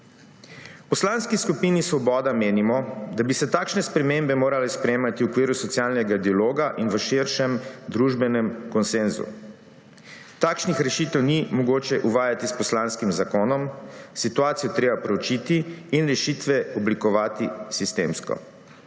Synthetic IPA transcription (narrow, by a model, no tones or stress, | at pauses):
pɔslanskiskupiːnisʋɔbɔːd̪ameːnimɔd̪abisɛt̪aːkʃnɛspɾɛmembɛmoːɾalɛspɾɛjemat̪iwukʋiːɾusɔt̪sjaːlnɛɡad̪ialoːɡaʔinʋəʃiɾʃɛmd̪ɾuʒbɛnɛmkɔnsenzṵ | t̪aːkʃnixɾɛʃit̪ɛwnimɔɡoːt͡ʃɛʔuʋaːjat̪ispɔslaːnskimzakoːnɔmsit̪uaːt̪sijɔt̪ɾeːbapɾɛut͡ʃit̪iːnɾɛʃit̪ʋɛɔblikɔʋaːt̪isist̪ḛːmskɔ̰